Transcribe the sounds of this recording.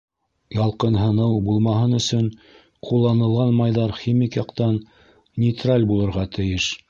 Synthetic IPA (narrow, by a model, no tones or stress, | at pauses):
jɑlˠqɤnɦɤ̆nɤwbulˠmɑɦɤnɵ̆sɵɴ | qʰulˠːɑnɤ̆lˠʁɑnmɑjðɑɾχimikjɑqt̪ɑn | nʲɪt̪ralʲbulˠɤ̆ɾʁɑt̪ɘ̆jɘʃ